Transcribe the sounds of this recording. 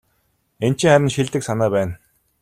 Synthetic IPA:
ent͡ɕɪ̆ŋχæɾʲɪ̆nʃiɮt̪ɘ̆ksanaːpæːn

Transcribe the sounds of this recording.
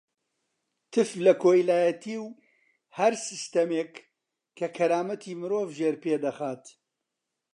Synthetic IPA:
t̪ʰɨflɐkoːjlaːjɐt̪ʰiw | hɐɾsɨst̪ɐmekːʰ | ɐkʰɐɾaːmɐt̪ʰiːmɨɾoːvʒeɾped̪ɐxaːt̪

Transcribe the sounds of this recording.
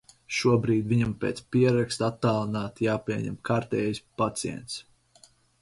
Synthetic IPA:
ʃuɔbɾiːd̪viɲampʲeːt̪spiɛɾakst̪at̪ːaːlˠɨnaːt̪jaːpiɛɲɛ̰mkaɾt̪ɛːjspat̪siɛ̰nt̪s

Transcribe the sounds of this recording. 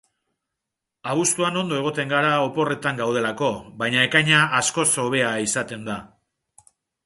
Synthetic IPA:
aβ̞ust̪uano̞nd̪o̞e̞ɣ̞o̞t̪e̞ŋɡaɾaopo̞re̞t̪aŋɡawð̞e̞lako̞βajɲae̞kajɲaasko̞so̞β̞e̞aisat̪e̞nd̪a

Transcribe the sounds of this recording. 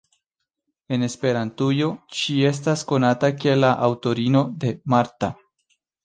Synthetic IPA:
e̞ne̞spe̞ɾantujo̞ʃie̞s̬tasko̞natakielaʔawto̞ɾino̞de̞maɾta

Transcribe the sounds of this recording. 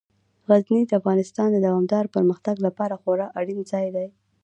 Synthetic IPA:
ɣaznid̪əafɣɑnɪst̪ɑnd̪əd̪awɑmd̪ɑɾpəɾməxt̪aɡlapɑɾaxoɾɑʔaɽinzɑjd̪aj

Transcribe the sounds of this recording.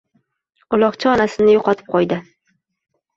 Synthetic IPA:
ʊlˠɒqt͡ʃʰɪɒnasɪnɪjoqʰɒt̪ʰɪ̥p̚qʰɒjd̪ɪ

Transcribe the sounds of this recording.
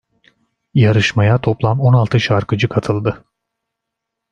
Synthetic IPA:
jaɾɯʃmajat̪ʰo̞plˠamo̞nalˠt̪ʰɯʃaɾkɯd͡ʒɯkʰat̪ʰɯlˠd̪ɯ

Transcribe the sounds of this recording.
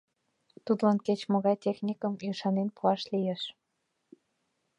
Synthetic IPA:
t̪ud̪lɑnket͡ɕmoɣɑjt̪ʲexnʲikəmjyʃɑnenpuɑʃlijeʃ

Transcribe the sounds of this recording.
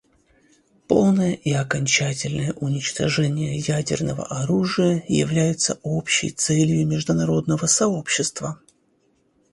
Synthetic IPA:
polˠnəjəʔiɐkɐnʲt͡ɕætʲɪlʲnəjəʔʊnʲɪt͡ɕt̪ɐʐɛnʲɪjəjædʲɪ̰rnəvə̰ʔɐɾuʐɨjəjɪ̰vlʲæjɪt̪səo̞pɕːɪ̰jt̪sɛlʲjʊmʲɪʐd̪ʊnɐɾo̞d̪nəvəsɐo̞pɕːɪst̪və

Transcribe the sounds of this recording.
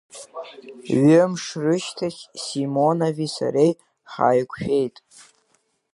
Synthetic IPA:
ɥʏmʂrɨʃtʰaχʲsimonavisa̰ɾej | χa̰ːjkʷʰʃᶣe̞jtʼ

